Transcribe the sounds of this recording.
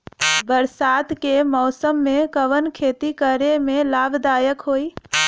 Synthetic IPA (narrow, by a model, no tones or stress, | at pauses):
bəɾsaːt̪kemɔːsəmːẽkəʋənkʰeːt̪ikəɾemẽlaːbd̪aːjəkɦoːi